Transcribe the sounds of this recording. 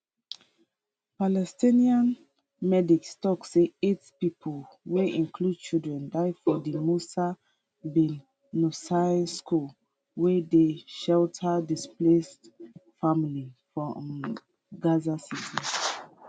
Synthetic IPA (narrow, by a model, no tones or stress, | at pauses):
palɛstĩniãn | mɛdikstɔkseetpipʰolweʔĩnkʰlud̚t͡ʃildɹɛ̃ndaɪfɔdimusa | bin | nusaskul | wɛdeʃɛltʰədisplestfamilifɹɔ̃m | ɡazasitʰi